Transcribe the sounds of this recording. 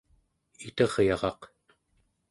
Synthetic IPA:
it̪ʌʁjɑʁɑq

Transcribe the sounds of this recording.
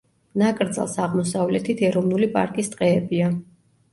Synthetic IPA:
nakʼɾd̪za̰lˠsaʁmɔsavlɛt̪ʰit̪ʰɛɾɔvnulipʼa̰ɾkʼist̪ʼqʼɛːbia

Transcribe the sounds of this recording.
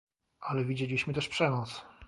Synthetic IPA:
ʔalɛvʲid͡ʑelʲiɕmɘt̪ɛʂpʂɛnɔt̪s

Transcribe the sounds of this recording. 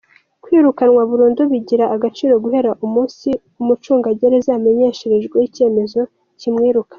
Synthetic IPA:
kwiːɾukanŋwaβuɾuːnduβiɟiɾaʔːɡat͡ʃiːɾo̞ɡuhe̞ɾaʔumuːnsi | umut͡ʃuːŋɡaɟeɾezame̞ɲe̞ʃeɾeʒɡwejice̞ːme̞zo̞ | cimŋiːɾukḁ

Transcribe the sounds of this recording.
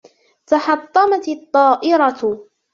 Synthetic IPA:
t̪aħɑt̪ˤːɑmɑt̪ɑt̪ˤːɑːʔɪɾɑ

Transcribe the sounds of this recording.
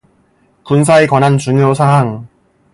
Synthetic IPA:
kuns̬ʰaekwanɦant͡ɕuŋjosʰaɦaŋ

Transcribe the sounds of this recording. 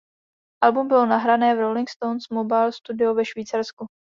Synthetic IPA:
ʔalbumbɪlonaɦɾanɛːvɾowlɪŋkst̪ownsmobajlst̪udɪovɛʃviːt͡saɾsku

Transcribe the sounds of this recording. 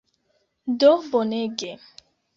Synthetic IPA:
dofoneɡe

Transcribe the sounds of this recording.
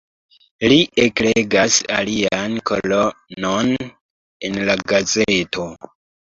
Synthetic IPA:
liʔekleɡasa̰liankʰo̞lonon | enlaɡazetʰo̞

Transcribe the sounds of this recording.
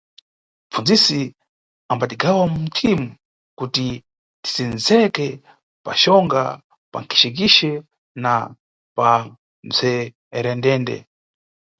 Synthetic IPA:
m̩fund͡zisi | ambatiɡawamum̩tʰimu | kuti | ti̥sinzɛkɛ | pa̰ʃɔŋɡa̰ | pa̰ŋkʰi̥ʃɛk̬iʃɛ | na | pa | nzʰɛ | ɾɛndɛːndɛ̰

